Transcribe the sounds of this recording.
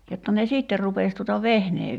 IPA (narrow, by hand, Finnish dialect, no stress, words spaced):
jotːɑ ne siˑtːer rupeˑs tutɑ ʋehneː